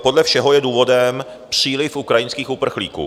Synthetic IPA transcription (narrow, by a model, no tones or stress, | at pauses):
po̞dlɛfʃɛɦo̞jɛduːvo̞dɛm | pr̥iːlɪfʔukɾajɪnskiːxupr̩xlḭːkṵː